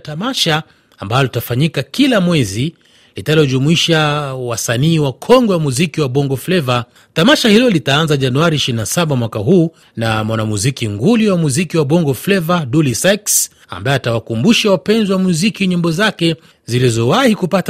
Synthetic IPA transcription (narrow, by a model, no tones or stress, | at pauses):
tamaʃaː | mbalɔlitafaɲikakilamwɛzi | litalɔʄumuiʃawasaniːwakʰɔŋɡɛwamuzikiwaɓɔŋɡɔflɛva | tamaʃahilɔlitaanzaʄanuaɾiːʃiɾinasaɓamwakaɦuː | namwanamuzikiŋɡuliwamuzikiwaɓɔŋɡɔflɛvadulisaks | a̰mbaɛatawakumbuʃawapɛnziwamuzikiɲimbɔzakɛ | zilizɔwahikupat